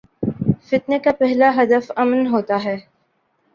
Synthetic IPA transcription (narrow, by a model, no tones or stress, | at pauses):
fɪt̪nekapɛɦlaɦɐd̪əfɐmnɦoːt̪aɦɛː